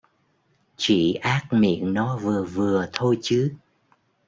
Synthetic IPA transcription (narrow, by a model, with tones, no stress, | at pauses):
t͡ɕi˧˩ʔaː˦˥k̚mḭ˧˨ənnɔ˨˦vɨ˨˩əvɨ˨˩ət̪ʰo˧jt͡ɕɨ˨˦